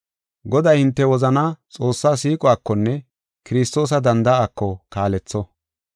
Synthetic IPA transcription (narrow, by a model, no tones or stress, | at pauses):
ɡɔd̪ɐjhɪnt̪ːɛwɔzɐnaːt͡sʼo̞ːsːaːsiːkʼʊaːkːɔnːɛ | kɪɾɪst̪o̞ːs̬ɐd̪ɐnd̪ɐaːkːɔkaːlɛt͡sːɔ